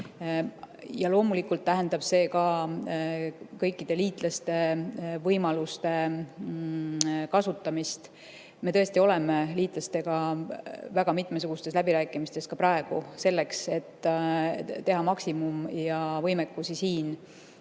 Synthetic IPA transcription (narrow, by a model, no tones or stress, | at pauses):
jɑlo̞ːmulikːˑult̪ːæɦe̞nd̪ɑb̥se̞ːkɑ | kɤjkːˑid̪e̞liːt̪ˑlɑst̪e̞vɤjmɑlust̪e̞ | kɑsut̪ːˑɑmist̪ | me̞t̪ɤest̪io̞lemeliːt̪ˑlɑst̪e̞ɡ̥ɑ | væɡ̥ɑmit̪ˑmesuɡ̥ust̪e̞slæbiɾæːkːˑimist̪e̞skɑpɾɑeɡ̥use̞lːe̞kse̞t̪ː | e̞ɦɑmɑksimumjɑvɤjmekːusisiːn